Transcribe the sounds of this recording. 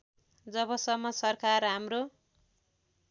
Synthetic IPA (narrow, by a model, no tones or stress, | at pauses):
d͡zʌbʌsʌmːʌsʌrkarɦamro